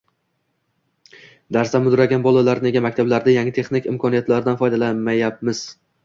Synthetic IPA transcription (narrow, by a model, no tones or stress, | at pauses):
d̪aɾsd̪amːʊd̪ɾaɡʲanbɒlˠalaɾne̞ɡʲamakʲt̪ʰablaɾd̪ɪjaŋʲɪt̪ʰe̞χnɪkʲɪmkʰɒnijat̪laɾɪd̪anfɒjd̪alamːajap̚mɪz̥